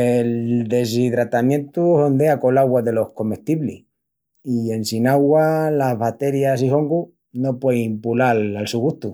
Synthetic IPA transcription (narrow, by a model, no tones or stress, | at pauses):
eld̪e̞s̬iðɾat̪amjẽ̞nt̪uo̞nd̪e̞ako̞laɣwaðe̞lo̞hko̞me̞ht̪iβlḭ | ie̞nsinaɣwalaβat̪e̞ɾjas̬iho̞ŋɡu | nopweimpulalalsuɣuht̪u